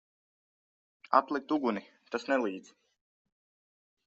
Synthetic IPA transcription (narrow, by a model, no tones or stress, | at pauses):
a̰t̪lˠik̚t̪uɡuni | t̪asnɛlˠiːd̪z̥